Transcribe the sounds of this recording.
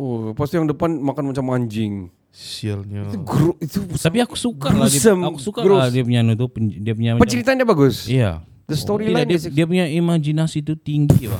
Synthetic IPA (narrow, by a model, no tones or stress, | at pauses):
opast̪ijaŋdəpanmakanmat͡ʃamaɲd͡ʒɪŋ | sialɲat̪uɡɾoit̪ut̪apiaku̥sukɡaoladiasmakusukaɾoadiap̬uɲanut̪̬upədiap̬uɲapəɲt͡ʃəɾit̪andiabaɡʊsija̰ | dəst̪oɾilandiap̬uɲaʔimad͡ʒinasit̪ut̪iŋɡiba